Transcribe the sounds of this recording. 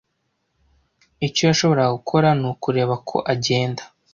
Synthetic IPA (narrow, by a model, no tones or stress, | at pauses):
ico̞jaʃo̞βo̞ɾaɡukʰo̞ɾanukuɾe̞ːβakʰo̞̰ʔaɟe̞ːndḁ